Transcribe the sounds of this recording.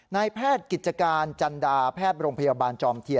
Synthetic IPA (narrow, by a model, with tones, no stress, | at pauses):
na˧jpʰɛː˥˩t̪̚ki˨˩t̪̚t͡ɕa˧kaː˧nt͡ɕa˧ndaː˧pʰɛː˥˩t̪̚ɾoː˧ŋpʰa˧jaː˧baː˧nt͡ɕɔː˧mt̪ʰi˧ə